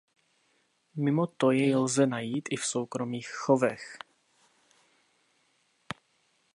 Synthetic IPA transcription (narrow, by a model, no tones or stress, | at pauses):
mɪmot̪ojɛjlzɛnajiːt̪ʔɪfso̞wkɾomiːxxovɛx